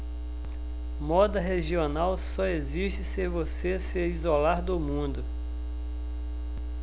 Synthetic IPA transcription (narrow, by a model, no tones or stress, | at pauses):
mɔd̪ɐɦeʒionawsɔeziʃt͡ʃɪsevoseseɾizolaɾd̪ʊmũd̪ʊ